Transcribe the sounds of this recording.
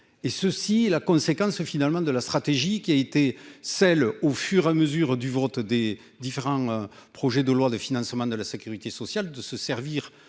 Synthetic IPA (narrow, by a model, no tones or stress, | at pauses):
esəsiɛlakɔ̃sekɑ̃sfinaləmɑ̃d̪əlast̪χat̪eʒikʲiaet̪esɛlofyʁeaməzyʁd̪yvɔt̪d̪e | d̪ifeʁɑ̃pχɔʒed̪əlwad̪əfinɑ̃smɑ̃d̪əlasekʲyʁit̪esɔsjald̪əsəsɛʁviʁ